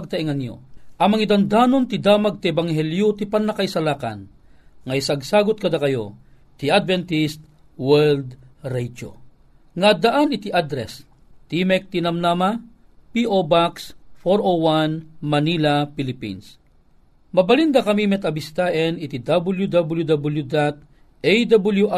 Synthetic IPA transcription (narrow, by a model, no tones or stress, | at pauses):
ɡ̚t̪ɐiŋɐŋjo̰ʔɐmɐŋid̪and̪aːnont̪id̪aːmaɡ̚t̪iɛbaŋhɛljot̪ipanːɐkaisɐlaːka̰n | ŋɐjsaɡsaːɡot̪̚kɐd̪akɐjo | t̪iad̪vɛnt̪ist̪̚ | wɛld̪ɾɛd͡ʒo̰ | ŋad̪aʔanɪt̪iʔad̪ɾɛ̰s | t̪imɛk̚t̪inɐmnama | piʔobaksfoɾowanmɐnilapilipḭns | mɐbɐlind̪akɐmimɛt̪ɐbist̪aːʔɛnit̪id̪abuljud̪abuljud̪abuljud̪at̪̚ | ɛjd̪abuljuʔa